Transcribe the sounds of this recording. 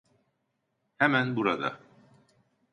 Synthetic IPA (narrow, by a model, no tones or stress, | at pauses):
hæmænbuɾad̪ɑ̰